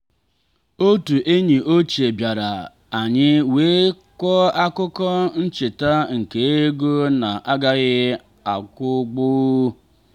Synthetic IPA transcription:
o˦tu˨ʔe˦ɲi˨ʔo˦t͡ʃe˨bja˨ɾa˨ | a˨ɲɪ˦weː˦ | kʷɔ˦a˦kʊ˦kɔ˦n̩˦t͡ʃe˨ta˦ŋ̩˨ke˨e˦ɡo˦na˨ʔa˦ɡa˦ɣɪ˦ | a˨kʷʊ˦ɡ͡bʊ˦

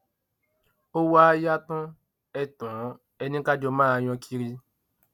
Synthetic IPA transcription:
o˦wa˦ja˦tɔ̃˦ | ɛ˨tɔ̃˨˦ | ɛ˧nĩ˦ka˦d͡ʒɔ˧mãː˦˧˨j̃ɔ̃˧kʰi˧ɾi˧

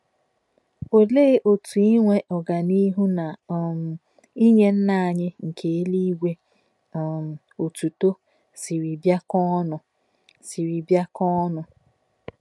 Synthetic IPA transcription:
o˨le˦ʔo˨tu˨i˦ŋʷe˦ʔɔ˨ɡa˨ni˦ɦu˦na˨ | i˦ɲe˦n̩˦na˦˨a˨ɲɪ˦ŋ̩˨kʰe˨e˦li˦ɡʷe˦˨ | o˨tu˨to˦ | si˨ɾi˨bja˦kɔ˦nʊ˨ | si˨ɾi˨bja˦kɔ˦nʊ˨

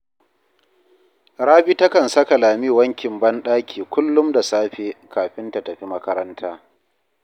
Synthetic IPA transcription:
ɽaː˦bi˦tɐ˦kɐ˨nsɐ˦ka˨laː˨miː˦wɐ˦ŋkʲɪ˨mbɐ˦nɗaː˦kʲʰiː˨kʷʊ˦lːʊ˦mda˨saː˦ɸeː˨kaː˨ɸɪ˦nta˨tɐ˨ɸi˦mɐ˦kɐ˦ɾɐ˦ntʰaː˦

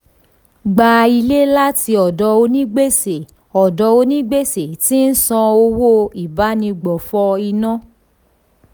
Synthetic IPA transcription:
ɡ͡ba˨i˧le˦la˦ti˧ɔ˨dɔ˨˧˦o˧nĩ˦ɡ͡be˦se˨ | ɔ˨dɔ˨˧o˧nĩ˦ɡ͡be˦se˨ti˦n̩˦sã˧o˧wo˦i˨ba˨˦nĩ˧ɡ͡bɔ˨fɔ˧˦i˧nã˦

